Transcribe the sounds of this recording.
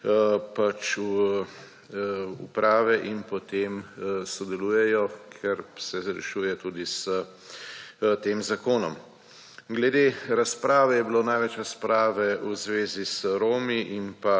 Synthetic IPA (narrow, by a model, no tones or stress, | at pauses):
pat͡ʃ | ṵpɾaːʋɛʔinpɔt̪emsɔd̪ɛluːjɛjɔkʰɛɾsɛzɾɛ̰ʃuːjɛt̪uːd̪isə | t̪eːmzakoːnɔm | ɡlɛd̪eɾaspɾaːʋɛjɛbiloːnajʋɛt͡ʃɾaspɾaːʋɛuzʋeːzisəɾoːmiʔimpa